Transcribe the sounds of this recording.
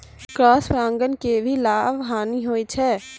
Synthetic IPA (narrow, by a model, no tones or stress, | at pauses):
kɾɔːsfɾãːŋɡənkebʱilaːʋɦaːniɦoːit͡ʃʰɛː